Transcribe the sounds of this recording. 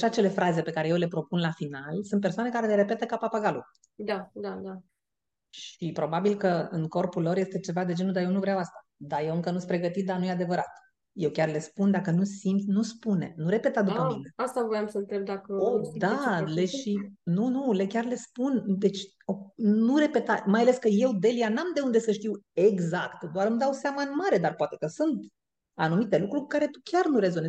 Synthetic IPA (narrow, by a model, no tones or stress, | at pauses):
aʃat͡ʃe̞le̞fɾaze̞pe̞kaɾe̞jewle̞pɾo̞punlafinalsunt̪persoane̞kaɾe̞leɾe̞pe̞t̪əkapapaɡalu | d̪ad̪ad̪a | ʃipɾo̞babilkəɨŋko̞rpulːo̞rje̞st̪e̞t͡ʃe̞vad̪e̞d͡ʒe̞nud̪ajewnuvɾeawast̪ḁ | d̪ajewɨŋkənusʲpɾe̞ɡət̪it̪̚d̪anujead̪e̞vəɾat̪ | je̞wkʲarle̞spund̪akənusimt̪nuspune̞̰nuɾe̞pe̞t̪ad̪upəmine̞ast̪avojamsəɨnt̪ɾeb̚d̪akəodd̪aleʃinunule̞kʲarle̞spund̪e̞t͡ʃʲ | onuɾe̞pe̞t̪amajale̞skəje̞wd̪e̞lianamd̪e̞und̪e̞səʃt̪iwe̞ɡzakt̪d̪oaɾɨmd̪awseamaɨnmaɾe̞d̪arpoat̪e̞kəsunt̪ | anumit̪e̞lukɾuɾkukaɾe̞t̪ukʲarnuɾe̞zo̞nes